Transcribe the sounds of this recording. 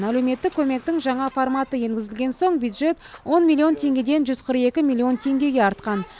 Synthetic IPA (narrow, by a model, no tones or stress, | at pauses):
ælewme̞t̪ːɪkʲʰːɵme̞k̚t̪ɪŋʒɑɴɑformɑt̪əje̞ŋɡʲɪzɪlɡʲe̞nso̞ɴbjud̪ʒe̞t̪wo̞nmʲilʲˠːio̞nt̪ʰe̞ŋɡʲe̞d̪e̞nʒʏzqʰəɾəqe̞kʲɪmʲilʲˠːio̞nt̪ʰe̞ŋɡʲe̞ɡʲe̞ɑɾt̪̚qɑn